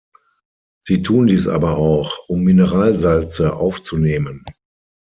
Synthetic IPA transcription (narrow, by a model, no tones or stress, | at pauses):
z̥iːtʰuːndiːsʔa̰ːbɐaʊxʔʊmːɪnəʁaːlzalt͡səʔa̰ʊft͡suneːmən